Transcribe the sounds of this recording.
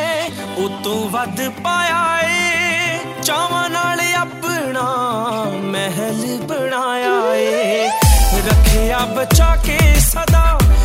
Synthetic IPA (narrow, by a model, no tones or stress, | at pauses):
ʊt̪õːʋɐd̪paːjaːeː | t͡ʃaːʋãːnaːleaːbəɽ̃aː | mɛɦɛlbɐɽ̃aːjae | ɾɐkʰːeaːbɐt͡ʃaːkesɐd̪aː